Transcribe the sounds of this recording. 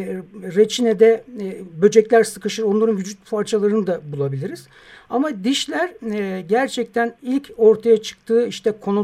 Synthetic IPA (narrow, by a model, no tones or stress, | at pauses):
ɾet͡ʃʰinɛd̪ɛbø̞d͡ʒɛclʲæɾsɯkɯʃɯɾo̞nlˠaɾɯnʋyd͡ʒyt̪̚pʰaɾt͡ʃʰalˠaɾɯnɯd̪abulˠabilʲiɾiz̥ | amad̪iʃlʲæɾɟæɾt͡ʃʰɛc̚t̪ʰænilʲcʰo̞ɾt̪ʰajat͡ʃʰɯ̥k̚t̪ʰɯːiʃt̪ʰɛkʰo̞nu